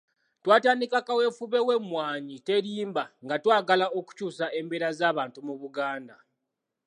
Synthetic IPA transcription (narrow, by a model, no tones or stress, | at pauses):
twaːtaːnikakawe̞fuβe̞we̞mwaːɲite̞ɾiːmbaŋɡatwaːɡalao̞ku̥cuːsaʔe̞mbeɾazaːβaːntumuβuɡaːnda